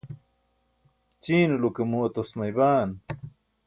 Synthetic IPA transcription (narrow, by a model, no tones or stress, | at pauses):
t͡ɕiːnulukemuɐt̪osmɐjβaːn